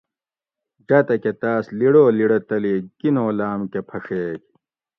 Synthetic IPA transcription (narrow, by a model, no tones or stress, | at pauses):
d͡ʑɐt̪ɐket̪aːsliɽoːliɽɐt̪ɐliːkinoːlaːmkepʰɐʂeːk